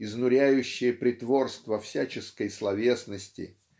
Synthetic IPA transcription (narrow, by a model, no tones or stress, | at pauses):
ɪznʊɾʲæjʉɕːɪjəpɾʲɪt̪vo̞rst̪vəfsʲæt͡ɕɪskəjslˠɐvʲe̞snəsʲtʲɪ̰